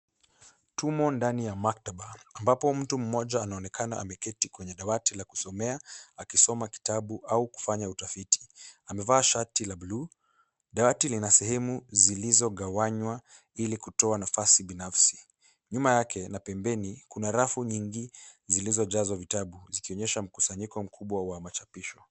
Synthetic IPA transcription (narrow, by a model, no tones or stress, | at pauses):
tumɔndanijamak̚taɓaːmbapɔm̩tum̩mːɔʄaːnaɔnɛkʰanaamɛkɛtikwɛɲɛɗawatilaku̥sɔmɛaakisɔmaki̥taɓuʔauku̥faɲautafiti̥amɛvaːʃatilaɓulu | ɗawatilinasɛɦɛmuzilizɔɠawaɲwa | ilikutɔanafasiɓinafsi̥ | ɲumajakʰɛnapɛmbɛnikunaɾafuɲiŋɡizilizɔʄazwavitaɓuzikiɔɲɛʃam̩kusaɲikɔm̩kʰuɓwawamat͡ʃapiʃɔ